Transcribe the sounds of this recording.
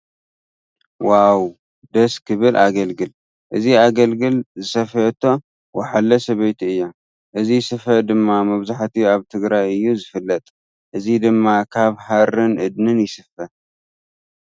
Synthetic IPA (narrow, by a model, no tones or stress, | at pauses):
waw | d̪ɐskʰɨβɨlʔaɡɐlɡɨl | ʔɨziaɡɐlɡɨlzɨsɐfɐt̪ʰːo̞ | wɐħalːɐsɐβɐjt̪ʰiɨjːom | ʔɨzisɨfɐd̪ɨmːamɐβzaħt̪ʰiaβt̪ʰɨɡɾajɨjːuzɨfɨlːɐt̪ʼ | ʔɨzid̪ɨmːakʰaβhaɾɨnʔɨd̪nɨnjɪsɨfɐ